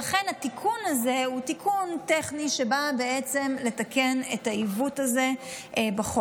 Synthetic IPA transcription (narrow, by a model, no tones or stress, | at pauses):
aχe̞nhatikʰunaze̞utikʰunteχniʃe̞babe̞et͡se̞mle̞take̞netaivutaze̞ | baχo